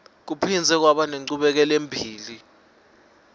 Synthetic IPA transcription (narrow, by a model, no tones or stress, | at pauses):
k̬upʰind͡zʱɛk̬waɓaneŋ͡ǀuɓɛk̬ɛlembʱiːli